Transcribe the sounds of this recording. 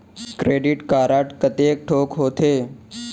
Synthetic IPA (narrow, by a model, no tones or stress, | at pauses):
kɾeːɖɪʈkaːɾaʈkət̪eːk̚ʈʰoːkɦoːt̪ʰeː